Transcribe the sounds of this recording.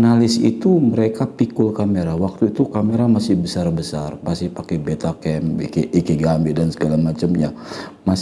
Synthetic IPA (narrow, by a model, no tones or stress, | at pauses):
nalɪsḭt̪uməɾekapikʊlkameɾawak̚t̪uit̪ukameɾamasɪhbəsarbəsarpasipakɛbet̪akɛmḭkeʔikeɡambɛdansəɡalamat͡ʃəmja | ma